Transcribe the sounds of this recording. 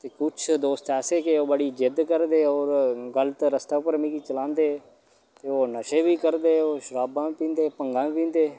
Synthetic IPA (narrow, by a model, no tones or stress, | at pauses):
t̪eːkʊt͡ʃʰd̪oːst̪ɛːseːkeːoːbaːɽiːd͡ʒɪd̪kəɾd̪eːoːɾɡəlt̪ɾəst̪aːʊpəɾmĩːkiːt͡ʃəlãːnd̪eː | t̪eːoːnəʃeːbiːkəɾd̪eːoːʃəɾaːbãːpĩːnd̪eːpəŋɡãːpĩːnd̪eː